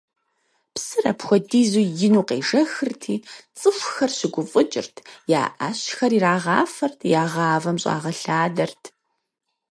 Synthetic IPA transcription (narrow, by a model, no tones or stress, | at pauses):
psɨrɐ̰pxʷɔdiːzuːjɪnuːqḛːʒɐxɨrtʰiːt͡sʼɨfʷxɐrɕɪɡʷʊfʼʊd͡ʒʼɪ̰rtʰja̰ːʔa̰ɕxɐriɾaːʁɑ̰ːfɐrtʰjaːʁɑːvɐmɕʼɑ̰ːʁɐɬaːdɐrtʰ